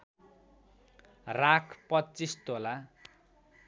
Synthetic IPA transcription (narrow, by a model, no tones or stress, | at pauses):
rakʰpʌtːt͡sist̪ola